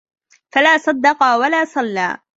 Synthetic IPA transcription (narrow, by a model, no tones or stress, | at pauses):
falaːsˤɑd̪ːɑqɑwalaːsˤɑlːa̰ː